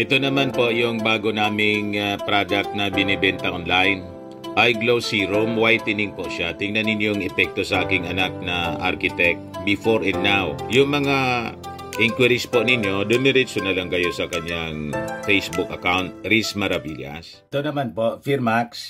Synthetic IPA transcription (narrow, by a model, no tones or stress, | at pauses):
ʔɛt̪o̞nɐmanpo̞ʔjʊŋbaːɡo̞naːmɪŋɐpɾad̪ɐk̚t̪̚nɐbɪnɪbɛnt̪ɐʔonlajn | ʔajɡlowsiɾomwajt̪ɪnɪŋpoʔʃat̪ɪŋnɐnɪnjoŋʔɛpɛk̚t̪o̞sɐʔaːkɪŋɐnak̚nɐʔa̰ɾkɪt̪ɛk̚t̪bɪfoɹɛnnːawjʊŋmɐŋa | ʔiŋkwɪɾɪspo̞nɪnjo̞d̪ʊnɛɾɪsʊnɐlɐŋkɐjo̞sɐkɐɲjaŋfejsbʊkɐkawnt̪̚ɾismɐɾɐbiʎɐ̰s | t̪onɐmanpofiɾmaks